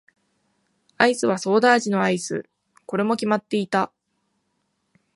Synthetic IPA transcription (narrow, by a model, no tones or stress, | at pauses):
aisɨβ̞aso̞ːd̪aːʑino̞aisɨ̰ | ko̞ɾe̞mo̞kʲimat̪ːe̞it̪a